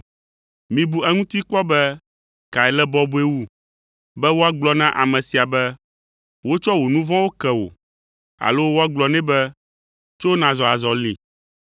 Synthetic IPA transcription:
mĩ˨bu˨ɛ˦ŋũ˦t̪i˦k͡pɔ˦bɛ˦ | ka˨ɛ˨lɛ˦bɔ˦bu˦e˦wu˦ | bɛ˦wo˦a˦ɡ͡blɔ˨nã˦ʔa̰˨mɛ̃˨si˨a˨bɛ˦ | wo˦t͡ʃɔ˦wo˨nũ˦vã˦wo˦kɛ˨wo̰˨ | a̰˨lo˦wo˦a˦ɡ͡blɔ˨nɛ̃˦bɛ˦ | t͡ʃo˦nã˨zɔ˨a˨zɔ˨lḭ˨

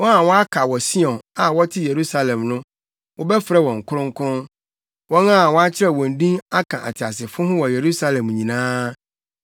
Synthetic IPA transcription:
wɔ̃˦na˨wɔ˦a˦kʰa˨wɔ˨si˦ɔ̃˨na˨wɔ˦tʰɪ˦je˨ɾu˦sa˦lɛ̃˨mnʊ̃˦ | wʔɔ˦bɛ˦fɾɛ˦wɔ̃˨ŋ̩˨kʰʊ˦ɾʊ̃˦ŋ˦kʰʊ̃˦n | wɔ̃˦na˦˨wɔ˦a˦t͡ɕʰɪ˦ɾɛ˨wɔ̃˨n̩˨˦dĩ˦ŋa˦kʰã˨ʔa̰˨tʰɪ˨a˨s̬ɪ˨fʊ̃˦ɦʊ̃˦wɔ˨je˨ɾu˦sa˦lɛ̃˨mɲĩ˨nãː˦

